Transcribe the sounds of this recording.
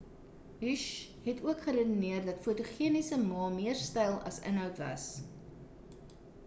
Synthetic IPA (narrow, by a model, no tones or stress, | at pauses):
ɦyʃɦɛtuəkχəɾədəniərdɐtfuətuχiənisəmɑːmiərstɛjlˠɐ̰sə̰nɦœwtvɐ̰s